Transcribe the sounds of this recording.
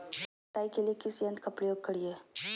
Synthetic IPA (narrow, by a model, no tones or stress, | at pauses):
ʈajkelikisjənt̪kəpɽeuɡ̚kəɽije